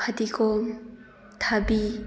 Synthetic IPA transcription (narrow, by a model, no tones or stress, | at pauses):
at̪ikɔ | tʰabi